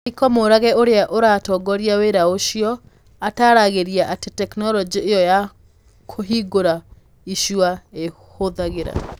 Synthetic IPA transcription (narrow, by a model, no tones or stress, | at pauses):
ikɔmoɾaɣɛoɾeaʔoɾatɔɡɔɾiaweɾaoʃiɔ | ataɾaɣeɾiaʔatetɛknɔlɔd͡ʒiejɔja | kʰoɦiɡoɾa | iʃuae | hoðaɣeɾa̰